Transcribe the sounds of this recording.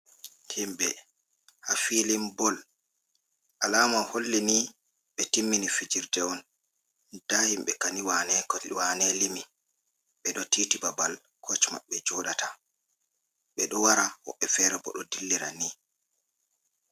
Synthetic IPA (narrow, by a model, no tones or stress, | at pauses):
himɓɛ | hafiːlimbɔl | alaːmanholːini | ɓɛtimːinifid͡ʒiɾtɛɔn | d̥aːhimɓɛkaniwanɛwanɛlimi | ɓɛɗɔtiːtibabal | kʰɔt͡ʃma̰ɓɛd͡ʒɔːɗata | ɓɛɗɔwaɾahɔ̰ɓːɛfɛɾɛbɔ̰ɗɔdilːiɾa̰ni